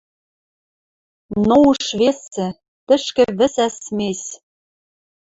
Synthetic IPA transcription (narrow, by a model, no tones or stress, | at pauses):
nouʃβesɘ̆ | t̪ɘ̆ʃkɘ̆βɘ̆sæsmes